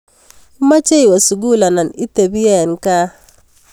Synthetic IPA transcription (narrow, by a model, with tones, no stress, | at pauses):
ma˦t͡ʃe˦jwa˨su˨ɡu˦la˨na˨ni˦te˨bi˦je˦˨nka˦